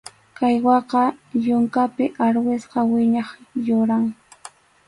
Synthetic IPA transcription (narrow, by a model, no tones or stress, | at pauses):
kajwɑqɑjʊŋkapɪʔaɾwɪsqɑwɪɲɑχjʊɾaŋ